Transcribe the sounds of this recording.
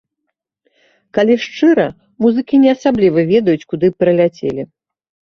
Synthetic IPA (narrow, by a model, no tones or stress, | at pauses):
kalʲiʂt͡ʂɨɾɐ | muzɨkʲinʲɛɐsablʲivɐvʲɛd̪ɐjut͡sʲkud̪ɨpɾɐlʲat͡sʲḛlʲi